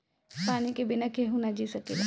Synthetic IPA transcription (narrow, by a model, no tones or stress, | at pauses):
paːnikebɪnakeɦunad͡ʒisɐkela̰